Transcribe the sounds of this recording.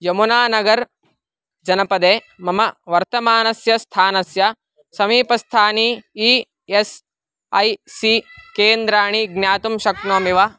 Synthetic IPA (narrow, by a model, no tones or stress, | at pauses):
jɐmunaːnɐɡɐɾ | d͡ʒɐnɐpɐd̪eː | mɐmɐʋɐɾt̪ɐmaːnɐsjɐst̪ʰaːnɐsjɐ | sɐmiːpɐst̪ʰaːniiː | es | ɐjsikeːnd̪ɾaːɳ̃iɡnjaːt̪umʃɐknoːmiʋɐ